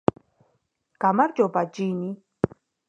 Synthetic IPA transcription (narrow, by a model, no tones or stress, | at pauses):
kamaɾd͡ʒobad͡ʒini